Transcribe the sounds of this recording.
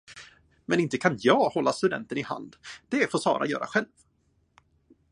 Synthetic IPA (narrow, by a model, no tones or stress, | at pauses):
mɛnɪnt̪əkʰanjɑːɡhɔlːast̪ɵd̪ɛ̰nt̪ənɪha̰nd̪d̪ɛfoːʂɑ̰ːɾʔa̰jœ̰ːɾa̰ɧɛlv